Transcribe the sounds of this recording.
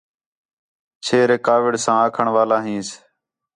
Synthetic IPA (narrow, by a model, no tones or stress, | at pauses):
t͡ʃʰeːɾeːkaːʋɪɖsãːãːkʰəɳʋaːlãːɦĩːs